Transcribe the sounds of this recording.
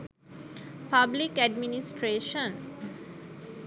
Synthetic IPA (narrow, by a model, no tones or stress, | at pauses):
pablikæɖminisʈɾeːʃə̃n